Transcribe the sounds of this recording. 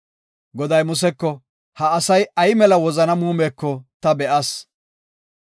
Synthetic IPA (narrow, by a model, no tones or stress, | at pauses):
ɡɔd̪ɐjmʊs̬ɛkːɔ | hɐːsɐjɐjɪmɛlɐwɔzɐnɐmuːmeːkːɔt̪ɐbɛʔɐs